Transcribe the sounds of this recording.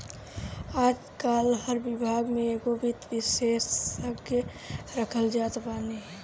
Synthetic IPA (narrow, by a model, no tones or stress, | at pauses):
aːd͡ʒkaːlɦəɾʋɪbʱaːɡmẽeɡobit̪ʋɪseːsəɡə | ɾəkʰəld͡ʒaːt̪baːni